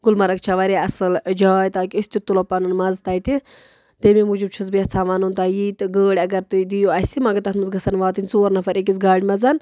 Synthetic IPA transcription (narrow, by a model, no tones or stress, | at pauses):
ɡulmɐɾɐkt͡ʃʰaʋɐɾeɐsɨld͡ʒaːjt̪aːkʲiisʲt̪it̪ulopɐnɨnmɐzt̪ɐːjt̪i | t̪ememud͡ʒubt͡ʃʰizbiɐt͡sʰaːʋanunt̪aːjiːt̪ɨɡəːɽʲɐɡɐɾt̪ɨd̪ijoɐsimɐɡɐt̪ɐsmɨzɡɐsɐnʋaːt̪inʲt͡soːɾnɐfɐɾek̬isɡaːɽʲmɐzɐn